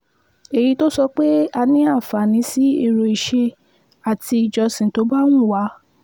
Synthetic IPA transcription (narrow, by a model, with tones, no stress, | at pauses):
e˨ji˨˧˦to˦sɔ˧k͡pe˦a˧nĩ˦a˦˨fa˨nĩ˨˦si˦i˦˨ɾo˨i˨ʃe˧ | a˨ti˧i˨d͡ʒɔ˧sĩ˨to˨˦ba˦nũ˦˨wa˨˦